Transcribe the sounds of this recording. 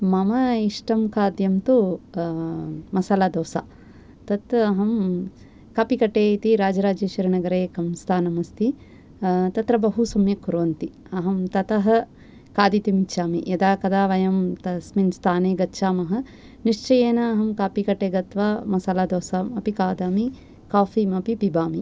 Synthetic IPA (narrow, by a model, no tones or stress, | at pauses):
mɐmɐiʂʈɐmkʰaːd̪jɐmt̪u | mɐsɐlaːd̪oːsa̰ː | t̪ɐt̪ɐɦɐm | kaːpikɐʈeːit̪iɾaːd͡ʒɐɾaːd͡ʒiːʃɐɾiɳɐɡɐɾeːkɐmst̪ʰaːnɐmɐst̪i | t̪ɐt̪ɾɐbɐɦusɐmjɐkuɾoːɐnt̪i | ɐɦɐmt̪ɐt̪ɐɦɐ̆ | kaːd̪it̪imit͡ʃʰaːmḭjɐd̪aːkɐd̪aːʋɐjɐmt̪ɐsminst̪ʰaːneːɡɐtːʃaːmɐɦɐ̆ | niʂt͡ʃɐjeːnɐːɦɐmkaːpikɐʈeːɡɐt̪ʋaːmɐsɐlaːd̪oːsamɐpikaːd̪aːmi | kaːfiːmɐpipibaːmi